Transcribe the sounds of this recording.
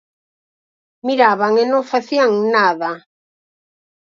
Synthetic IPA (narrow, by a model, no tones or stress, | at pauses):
miɾaβaŋenõŋfaθiaŋnaða